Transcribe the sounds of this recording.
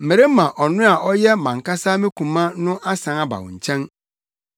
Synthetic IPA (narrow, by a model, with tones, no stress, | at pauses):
m̩˨e˨ɾe˦mã˨ʔɔ˨nʊ̃˦a˨ʔɔ˦jɛ˦mã˨ŋ˨ka˦saː˦mɪ̃˦kʰũ˨mã˦nʊ̃˦ʔa˦sã˨˦a˦ba̰˨wʊ̰̃˨ɲ̩˨t͡ɕʰɛ̃˦n